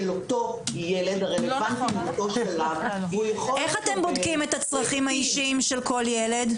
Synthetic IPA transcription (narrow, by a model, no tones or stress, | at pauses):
lot̪ojeled̪aʁelevant̪lot̪oʃelavujaχoeχat̪embo̞dkimet̪at͡sʁaχimhaiʃiimʃelko̞ljele̞d̪